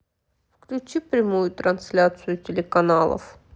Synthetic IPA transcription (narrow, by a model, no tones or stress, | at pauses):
fklʲʉt͡ɕipɾʲɪmujʊt̪ɾɐnsʲlʲat̪sɨjʊtʲɪlʲɪkɐnalˠə̰f